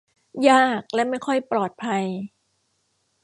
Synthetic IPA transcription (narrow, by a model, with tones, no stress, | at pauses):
jaː˥˩k̚lɛ˦˥ma˥˩jkʰɔ˥˩jplɔː˨˩t̪̚pʰa˧j